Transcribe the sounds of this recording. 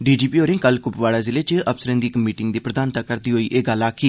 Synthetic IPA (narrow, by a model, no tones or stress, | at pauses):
ɖiːd͡ʒiːpiːoːɾẽːŋkəlkʊpʋaːlaːzɪleːt͡ʃəpsəɾə̃ːnd̪iːkəmiːʈɪŋɡd̪iːpɾəd̪aːnt̪aːkəɾd̪iːɦoːiːʔeːɡəlaːkʰiː